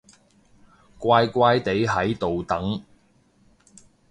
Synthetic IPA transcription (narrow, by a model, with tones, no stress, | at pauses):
kʷaː˧jkʷaː˧jt̪e˨˥jɦɐ˨˥jt̪o˨wt̪ɐ˨˥ŋ